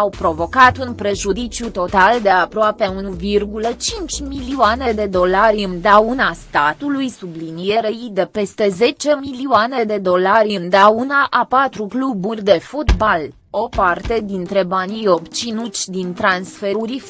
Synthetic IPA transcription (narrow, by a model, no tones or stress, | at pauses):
awpɾo̞vo̞kat̪unpɾe̞ʒud̪it͡ʃʲjut̪o̞t̪ald̪e̞apɾoapeunuvirɡulət͡ʃint͡ʃʲmiliuane̞d̪e̞d̪o̞laɾʲɨnd̪aunast̪at̪ulujsublinijeɾeid̪e̞pe̞st̪e̞ze̞t͡ʃe̞miliuane̞d̪e̞d̪o̞laɾʲɨnd̪aunaʔapat̪ɾukluburʲd̪e̞fut̪bal | o̞part̪e̞d̪int̪ɾe̞banʲijo̞bt͡ʃinut̪sʲd̪int̪ɾansfe̞ɾuɾʲ